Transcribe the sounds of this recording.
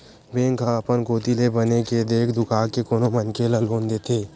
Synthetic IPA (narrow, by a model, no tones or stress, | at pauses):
bẽːŋkʰãpənkoːt̪ilebɐneked̪eːkʰd̪ʊkʰaːkekoːnomɐnkelaloːnd̪eːt̪ʰeː